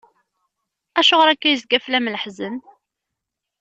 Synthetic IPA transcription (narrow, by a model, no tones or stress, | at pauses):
æʃʊʁɾækːæjəzɡæflæmləħzən